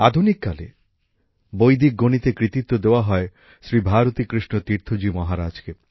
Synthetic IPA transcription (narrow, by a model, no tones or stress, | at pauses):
ad̪ʱunikːalḛ | bojd̪ik̚ɡonit̪ekɾit̪it̪ːod̪eowaɦɔe | sɾibʱaɾot̪ikɾiʃnot̪iɾt̪ʰod͡ʒimɔɦaɾad͡ʒke